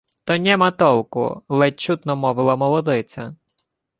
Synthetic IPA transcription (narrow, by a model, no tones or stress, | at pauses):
t̪ɔnʲɛmɐt̪ɔlˠkʊ̰lˠɛt͡ʃːut̪nɔmɔʋɪlˠɐmɔlˠɔd̪ɪt͡sʲɐ